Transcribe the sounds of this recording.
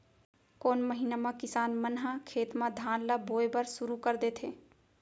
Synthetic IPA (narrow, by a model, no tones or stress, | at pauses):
koːnməɦinamãkɪsaːnmənɦãkʰeːt̪mãd̪ʱaːnlaboːjbəɾsʊɾukəɾd̪eːt̪ʰeː